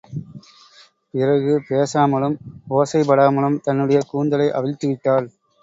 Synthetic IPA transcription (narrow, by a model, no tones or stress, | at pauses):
pɪrɐɣɯpeːsaːmɐɭɯmoːsɐɪpɐɽaːmɐɭɯmt̪ɐnːɯɽɐjɐkuːnd̪ɐlɐɪʔɐʋɪɻt̪ːɯʋɪʈːaːl